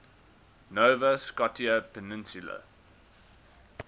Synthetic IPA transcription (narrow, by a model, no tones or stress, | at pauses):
noːvəskɔtiəpʰɛnɪ̃nsjulə̰